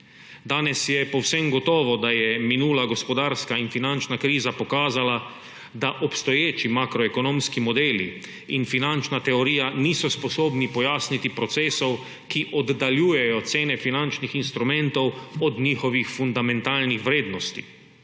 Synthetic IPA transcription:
d̪aːnɛsjɛpɔwsɛmɡɔt̪ɔːʋɔd̪ajɛminuːlaɡɔspɔd̪aːɾskainfinant͡ʃnakɾiːzapɔkaːzala | d̪aʔɔpst̪ɔjeːt͡ʃimakɾɔɛkɔnoːmskimɔd̪eːlḭ | infinant͡ʃnat̪ɛɔɾiːjaniːsɔspɔsoːbnipɔjaːsnit̪ipɾɔt̪seːsɔw | kiʔɔd̪ːaljuːjɛjɔt̪seːnɛfinant͡ʃnixinst̪ɾumɛ̃nt̪ɔwɔd̪ɲiːxɔʋixfund̪amɛ̃nt̪aːlnixʋɾeːd̪nɔst̪ḭ

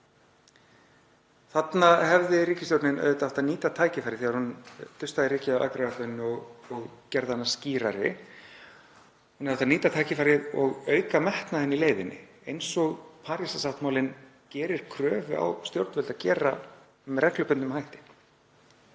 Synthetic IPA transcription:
θat̪nahɛvðɪɾiːcɪst̪joɾt̪nɪnʔœ̰ɥʏt̪aaht̪aniːt̪at̪ʰaːjcɪfajɾɪθɛːɣaɾhunt̪ʰʏst̪aðɪɾiːcɪaa̰ːkɾavat̪œnːʏɔɣɔɣcɛɾðanːasciːɾaɾɪ̰ | hunaðaht̪aniːt̪at̪ʰaːjcɪfajɾɪðɔɣœːɥkamɛht̪nahɛnːɪileːjvɪnːɪ̰ | ejnsɔɣpʰaːɾjasasaft̪mawlɪn | cɛːɾɪɾ̥kʰɾœːvʏa̰wst̪jowɾt̪vʏlt̪acɛːɾa | mrɛklʏpʏnt̪ːʏmhajht̪ɪ̥

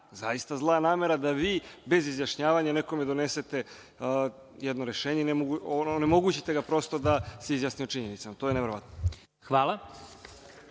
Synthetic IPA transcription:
zajist̪azlˠanaːme̞ɾad̪aʋiːbe̞zizjaʃɲaːʋaɲane̞ko̞me̞d̪o̞neset̪e̞ | jɛd̪noɾe̞ʃeːɲeinemoɡuonnemoɡuːt͡ɕit̪e̞ɡapɾo̞st̪o̞d̪aseizjasniot͡ʃiɲe̞nit̪samat̪o̞ːjeneʋe̞ɾoʋa̰t̪no | xʋaːlˠa

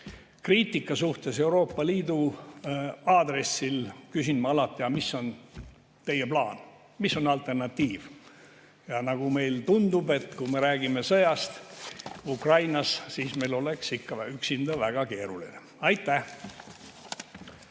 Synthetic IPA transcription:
kriːt̪ːˑikːˑɑsuht̪e̞se̞uɾo̞ːpːɑliːd̪̥u | ɑːd̪̥re̞sːilkysinmɑɑlɑt̪ˑːiɑmisːo̞n | t̪e̞jeplɑːn | misːo̞nɑlt̪ˑernɑt̪ːiːv̥ | jɑnɑɡume̞jlt̪und̪ube̞t̪ːkume̞ɾæːɡ̥ime̞sɤjɑst̪ | ukrɑjnɑssiːsme̞jlo̞le̞ksikːɑyksind̪ɑvæɡ̥ɑke̞ːɾulḭne | ɑjt̪ːæh

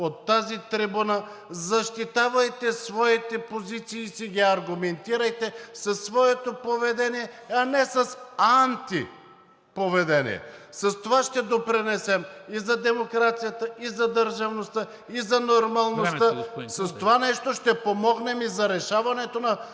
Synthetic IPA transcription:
ot̪ːazit̪ɾibunazɐʃt̪it̪avɐjt̪ɛsvɔit̪ɛpozit̪siːsiɡʲiɐɾɡumɛnt̪iɾɐjt̪ɛsɐsːvɔɛt̪opovɛd̪ɛnijɛɐnɛsɐsant̪i | povɛd̪ɛnḭɛ̰sɐst̪ovaʃt̪ɛd̪opɾinɛsɛmizɐd̪ɛmokɾat̪sijət̪əizɐd̪əɾʒɐvnost̪a | izɐnoɾmɐlˠnostt̪asɐst̪ovanɛʃt̪oʃt̪ɛpomɔɡnɛmizɐɾɛʃavɐnɛt̪onɐ

